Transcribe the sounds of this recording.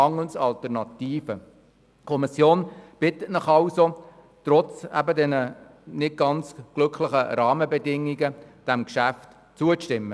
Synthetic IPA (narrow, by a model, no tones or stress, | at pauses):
ɑŋəl̩nsɑlt̪əɾnɑtiːfə | kʰɔmisjoːnb̥ɪtətnəχɑwso | t̪rɔt͡sæ̰bədɛnə | nɪt̚ɡ̥ɑnt͡sɡ̥lɵkʰlɪχəɾɑːməbɛdɪŋːiɡəd̥æmkʃæft | t͡suətɪmːə